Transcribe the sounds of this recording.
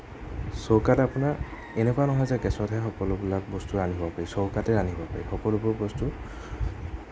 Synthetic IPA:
sɔwkatapuna | enɛkɔanɔɦɔjzɛkɛsɔtɦɛxɔkɔlʊbulak̚bɔstuaniɦɔbapaɹisɔwkatɛɹaniɦbɔpa̰ɹḭxɔkɔlubʊɹbɔstu

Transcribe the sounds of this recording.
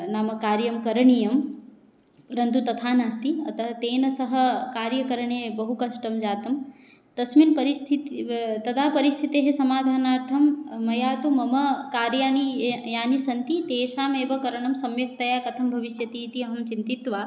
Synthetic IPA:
naːmɐkaːɾjɐmkɐɾɐɳijɐm | ɾɐnd̪ut̪ɐt̪ʰaːnaːst̪iɐ̰t̪ɐɦɐt̪eːnɐsɐɦɐ̆kaːɾjɐkɐɾɐɳeːbɐɦukɐʃʈɐmd͡ʒaːt̪ɐm | t̪ɐsminpɐɾist̪ʰit̪t̪ɐd̪ʰaːpɐɾist̪ʰit̪eːɦesɐmaːd̪ʱaːnaːɾt̪ʰɐmːɐjaːt̪umɐmɐkaːɾjaːnijaːnisɐnt̪it̪eːʃaːmeːʋɐkɐɾɐɳɐmsɐmjɐk̚t̪ɐjaːkɐt̪ʰɐmbʱɐʋiʃjɐt̪iːt̪iɐɦɐmt͡ʃint̪it̪ʋaː

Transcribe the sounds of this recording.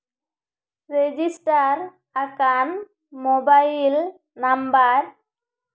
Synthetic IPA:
ɾed͡ʒɪsʈaɾ | ɐkaːn | mobɐɪɪl | nɐmbaɾ

